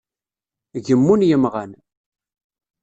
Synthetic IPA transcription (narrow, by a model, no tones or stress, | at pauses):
ʝəmːunjəmʁan